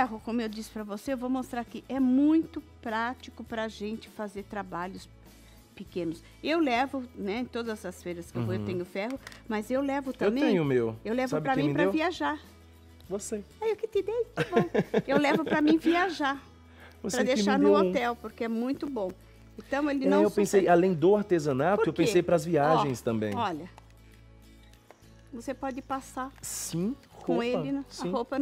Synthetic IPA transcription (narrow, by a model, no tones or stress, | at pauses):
fɛɦʊkõmʊewd͡ʒisɪ̥pɾɐvoseewvowmost̪ɾaɾkɪʔɛmũj̃t̪ʊpɾat͡ʃikʊpɾɐʒẽnt͡ʃɪ̥fazeɾt̪ɾabaʎʊs | pɪkẽnʊs | ewlɛvʊnɛẽt̪od̪ɐzɐsfeɾɐskɪewvoewt̪ẽɲʊfɛɦʊmɐzewlɛvʊt̪ɐ̃wmbẽẽj̃ʊmewewlɛvʊpɾɐmĩjpɾɐviaʒaɾ | voseaewkɪt̪ɪd̪ej̪bõwewlɛvʊɾɐmĩviaʒaɾ | vospɾɐd̪ejʃaɾnʊot̪ɛwpoɾkeɛmũj̃t̪ʊbõ | ẽt̪ɐ̃w̃elɪnɐ̃wewpẽsejalẽj̃d̪ʊaɾt̪ezɐ̃nat̪poɾʊewkpẽsejpɾɐzviaʒẽj̃st̪ɐ̃mbẽjɔʎɐ | vosepɔd͡ʒɪpasaɾsĩ | hkõelɪnɐ̃sĩhowpɐ